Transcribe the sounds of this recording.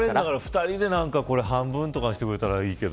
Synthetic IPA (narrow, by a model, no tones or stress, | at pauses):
ɾenaɡaɾaɸɯ̟̥t̪aɾʲid̪e̞nãŋkako̞ɾe̞hãmbɯ̟̃nt̪o̞kaɕi̥t̪e̞kɯ̟ɾe̞t̪aɾaiːke̞d̪o